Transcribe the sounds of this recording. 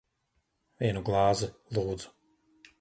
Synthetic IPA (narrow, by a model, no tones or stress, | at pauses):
viɛnuɡlˠɑːzɨlˠuːd̪zu̥